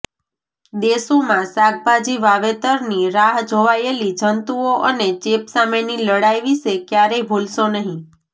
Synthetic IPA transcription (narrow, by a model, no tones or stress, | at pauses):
d̪esomãsaɡ̚bad͡ʒiʋaʋet̪əɾniɾaɦd͡ʒʱoʋajelid͡ʒʱənt̪uoʔənet͡ʃepsameniləɽajʋiʃekjaɾebʱolʃonəɦĩ